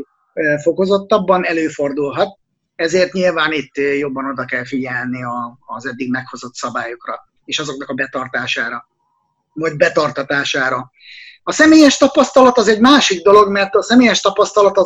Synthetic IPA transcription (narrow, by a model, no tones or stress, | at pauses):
fo̞ko̞zo̞t̪ːɒbːɒnɛløːfo̞rd̪ulɦɒt̪̚ | ɛzeːrt̪ɲilvaːnit̪ːjo̞bːɒno̞d̪ɒkɛlfiɟɛlniɒːzɛd̪ːiɡmɛkho̞zo̞t̪sɒbaːjokrɒ̰ | eːʃɒzo̞knɒkɒbɛt̪ɒrt̪aːʃaːɾɒ | mɒjd̪̚bɛt̪ɒrt̪ɒt̪aːʃaːɾɒ | ɒsɛmeːjɛʃt̪ɒpɒst̪ɒlɒt̪ɒzɛɟmaːʃiɡd̪o̞lo̞ɡmɛrt̪ɒsɛmeːjɛʃt̪ɒpɒst̪ɒlɒt̪ɒ